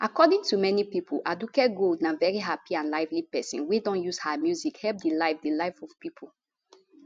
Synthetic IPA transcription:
ʔakɔdĩŋtumɛnipipʰolʔadukɛt̚ɡoldnãvɛɹiɦapiãnlaɪvlipɛsɔ̃nwidɔ̃njuzhamjuzikhɛp̚d̪əlaɪfdəlaɪfɔvpipʰo

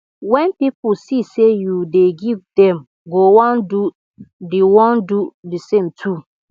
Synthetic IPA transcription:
wɛ̃npipusisejudeɡivdɛ̃m | ɡowɔ̃ndu | diwɔ̃ndudisẽmtʰu

